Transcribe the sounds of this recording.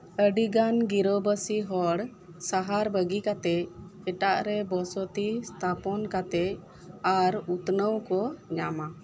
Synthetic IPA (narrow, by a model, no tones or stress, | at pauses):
əɖiɡanɡiɾobəsiɦɔɽ | saɦaɾbəɡikat̪ɛc̚ɛʈaʔɾɛbɔsɔt̪ist̪ʰapɔnkat̪ɛc̚ | aɾut̪nəwkɔɲama